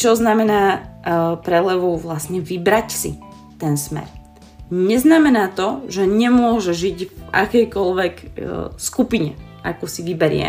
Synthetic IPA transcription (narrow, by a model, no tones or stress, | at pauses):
t͡ʃɔznamɛnaː | pɾɛlɛʋɔʊʋlasɲɛʋibɾacsḭ | t̪ɛnsmɛ̰ɾ | ɲɛznamɛnaːt̪ɔʒɛɲɛmʊɔʒɛʒiɟvʔa̰kɛjkɔlʋɛkskupiɲɛ̰ | a̰kusiʋibɛɾɪɛ̰